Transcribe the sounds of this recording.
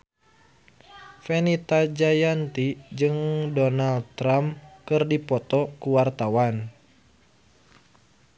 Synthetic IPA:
fenit̪ad͡ʒajant̪id͡ʒɨŋdɔnald̪̚t̪ɾamkɨrdipɔt̪ɔkuwart̪awan

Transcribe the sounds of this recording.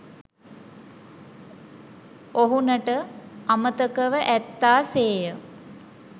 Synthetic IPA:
oɦunəʈəamət̪əkəʋəʔæt̪ːaːseːjə

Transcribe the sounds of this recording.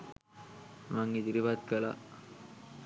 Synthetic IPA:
maŋid̪iɾiʋat̪̚kəla̰

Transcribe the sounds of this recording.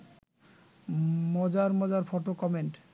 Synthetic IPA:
mɔd͡ʑaɾmɔd͡ʑaɾfɔʈokɔmeɳʈ

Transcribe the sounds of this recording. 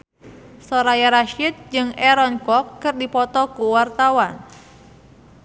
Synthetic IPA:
sɔɾajaɾaʃit̪̚d͡ʒɨŋɛɾɔnkɔkːɨrdipɔt̪ɔkuwart̪awan

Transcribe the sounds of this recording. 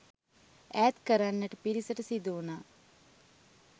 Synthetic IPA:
æːt̪kəɾanːəʈəpiɾisəʈəsid̪uːnaː

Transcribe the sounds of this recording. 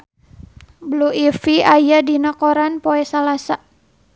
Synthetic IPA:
bluifiajadinakɔɾanpoɛsalasa

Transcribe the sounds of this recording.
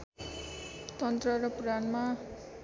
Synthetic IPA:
t̪ʌnt̪rʌɾʌpranma

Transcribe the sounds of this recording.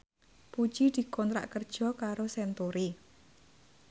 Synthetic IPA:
pu̥t͡ʃid̪̥i̤kɔnt̪ɾa̰ʔkərd̥ʒ̥ɔ̤kaɾosɛnt̪uɾi

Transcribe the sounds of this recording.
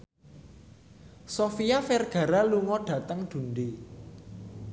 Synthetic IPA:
sofiafɛrɡ̥a̤ɾaluŋɔɖ̥ä̤t̪əŋd̪̥ṳnde

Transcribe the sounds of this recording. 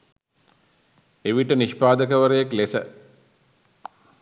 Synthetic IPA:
eʋiʈəniʃpaːd̪əkəʋəɾəjaklesə̰

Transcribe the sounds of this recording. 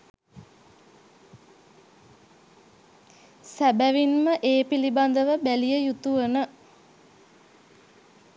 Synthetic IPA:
sæbæʋinməʔeːpiliband̪əʋəbælijəjut̪uʋənə

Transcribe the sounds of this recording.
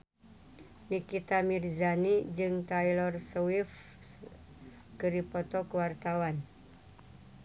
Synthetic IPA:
nikit̪amirzanid͡ʒɨŋt̪ailɔrsɔwif | kəɾipɔt̪ɔkəwart̪awan

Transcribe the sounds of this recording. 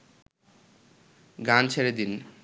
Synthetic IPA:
ɡant͡ɕʰeɾed̪in

